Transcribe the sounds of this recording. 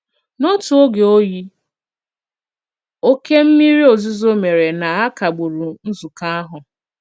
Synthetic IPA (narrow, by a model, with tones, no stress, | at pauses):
nɔ˦tu˨o˦ɡe˨o˦ji˦ | o˦ke˦m̩˦mi˦ɾi˦o˨zi˦zo˦me˨ɾe˨na˨a˦ka˨ɡ͡bu˨ɾu˨n̩˦zʊ˨ka˦a˦ɦʊ˨